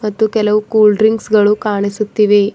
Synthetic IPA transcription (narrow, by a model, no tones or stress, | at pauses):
mɐt̪ːukɛlɐwkuːlɖɾiŋɡsɡɐɭuːkaːɳ̃esut̪ːiʋe